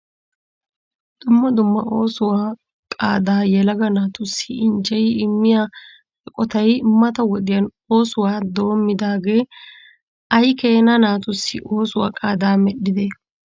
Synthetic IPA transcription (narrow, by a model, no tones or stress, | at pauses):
d̪̥ʊmːɐd̪ʊmːɐ̰o̞ːsʊwaː | kʼa̰ːd̪aːjɛlɐɡɐnaːt̪ʊsːɪɪnd͡ʒɛjɪɪmːɪja | ɛkʼɔt̪ɐjmːɐt̪ɐwɔɗ̪ɪjɐn | o̞ːsʊwaːd̪o̞ːmːɪd̪aːɡe̞ː | ɐjke̞ːnɐnaːt̪ʊsːɪ̰ʔo̞ːsʊwa̰ːkʼaːd̪aːmɛɗːɪd̪e